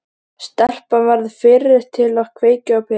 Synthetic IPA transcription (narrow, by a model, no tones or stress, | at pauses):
st̪ɛr̥pavaɾðɪfɪɾɪ̥t̪ʰɪlaɣkʰveːjcʏawpʰɪ